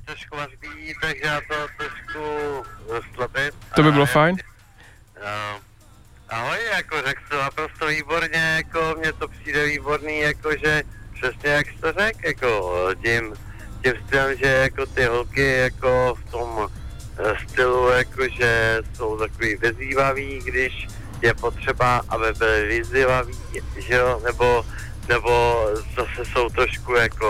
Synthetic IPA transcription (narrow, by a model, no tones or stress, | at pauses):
t̪oʃkvarbiːt̪aɡʒɛjat̪ot̪ɾoʃku | st̪labɪmat̪obɪbɪlofajn | ʔaɦojjakorɛkst̪onapɾost̪oviːbo̞ɾɲɛjakomɲɛt̪opr̥iːdɛviːboɾniːjakoʒɛpr̝̥ɛsɲɛjakst̪orɛkjakocɪm | cɪmst̪ɪlɛmʒɛjako̞t̪ɪɦlkɪjakoft̪om | st̪ɪlujakoʒɛso̞wt̪akoviːvɪziːvaviːɡdɪʃ | jɛpo̞t̪r̝̥ɛbaʔabɪbɪlɪvɪzɪvaviːʒɛonɛbo | nɛbo̞zasɛso̞wt̪ɾo̞ʃkujako